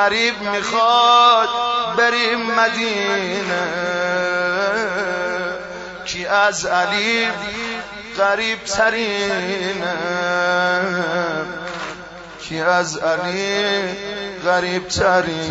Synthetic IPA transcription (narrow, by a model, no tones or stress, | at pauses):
aɾiːbmixɔd̪beɾimad̪iːne | kʰiʔæzaliːb | ɣaɾiːbt̪ʰaɾine | kʰiæzaliː | ɣaɾiːb̚t̪ʰaɾi